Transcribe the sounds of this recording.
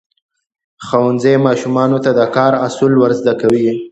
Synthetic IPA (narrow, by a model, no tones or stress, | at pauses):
xawanzajmɑʃumɑnot̪ad̪əkɑɾasulwəɾzd̪akawi